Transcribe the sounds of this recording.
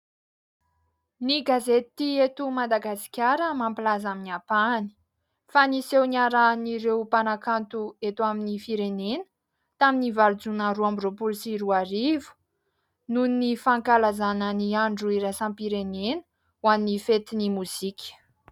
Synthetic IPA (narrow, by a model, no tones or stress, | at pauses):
niɡazet̪iet̪umad̪aɡasi̥kʲaɾəmampilazaminiapani̥ | fanisewnaɾaniɾewpanakant̪uet̪uaminifiɾenenə̥ | t̪aminivaɾd͡zunaɾuambiropulsiɾuaɾivu̥ | nunnifaŋkalazanəniaɳɖ͡ʐuiɾasãmpiɾenenə̥ | wannifet̪inimuzikʲə̥